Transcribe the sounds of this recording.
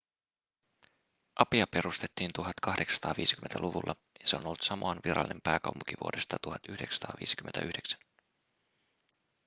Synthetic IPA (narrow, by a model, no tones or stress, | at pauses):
ʔɑpiɑpe̞ɾust̪e̞t̪ːiːnt̪uɦɑt̪kɑhde̞ksst̪ɑːʋḭːsi̥yment̪æluʋulːʔɑ | jɑse̞o̞nolːut̪sɑmoɑnʋiɾɑ̰lːˑinempæːkɑ̰wmuk̟iʋṵode̞st̪ɑt̪uhɑt̪yhde̞ksɑ̥t̪ɑ̰ːʋḭːsi̥kyment̪æʔyhdeksæ̥n